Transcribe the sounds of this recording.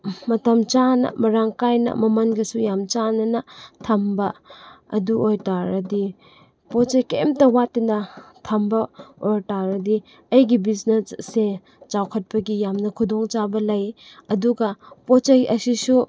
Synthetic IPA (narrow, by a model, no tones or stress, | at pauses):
mɐtɐmt͡ʃanɐ̰mɐɾaŋkajnɐ̰mɐmɐnɡɐsujamt͡ʃanɐnɐtʰɐmbɐ | ɐ̰duʔojtaɾɐdi | pot͡ʃɐjkemtɐwatinɐtʰɐmbɐojtaɾɐdi | ɐjɡibiznesːe | t͡ʃawkʰɐt̚pɐɡijamnɐkʰudoŋt͡ʃabɐlɐjɐduɡɐpot͡ʃɐjʔɐsisu